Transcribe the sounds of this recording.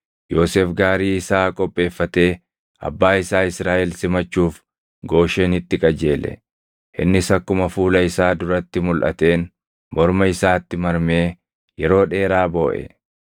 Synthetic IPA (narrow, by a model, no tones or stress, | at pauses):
jo̞ːseːfɡaːɾiːɪsaːkʼɔpʼːe̞ːfːɐt̪e̞ː | ɐ̰bːaːɪsaːɪsɾaːʔɛlsɪmɐt͡ʃːuːf | ɡo̞ːʃeːnɪt̪ːɪkʼɐd͡ʒe̞ːlɛ̰ | ʔɪ̰nːɪsɐkːʊmɐfuːlɐɪsaːd̪ʊɾɐt̪ːɪmʊlʔɐ̰t̪e̞ːn | mɔɾmɐɪsaːt̪ːɪmɐɾme̞ː | jɛɾo̞ːᶑe̞ːɾaːbo̞ːʔɛ̰